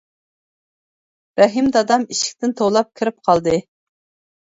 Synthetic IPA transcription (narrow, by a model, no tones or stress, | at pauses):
ɾɛɦimd̪ɑd̪ɑmiʃɪ̥kʲt̪ɪnt̪ʰoʁlˠɑp̚kʲʰɪɾɪp̚qʰɑlˠd̪ɨ